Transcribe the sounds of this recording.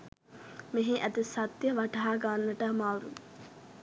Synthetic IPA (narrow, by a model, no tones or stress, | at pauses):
meɦeʔæd̪esat̪jəʋaʈaɦaːɡanːəʈəmawɾu